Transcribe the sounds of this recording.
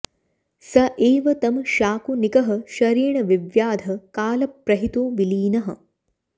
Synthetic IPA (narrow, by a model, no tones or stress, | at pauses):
sɐʔeːʋɐt̪ɐmʃaːkunikɐɦɐ̆ʃɐɾiːɳɐʋiʋjaːd̪ʱɐkaːlɐpɾɐɦit̪oːʋiliːnɐɦɐ̆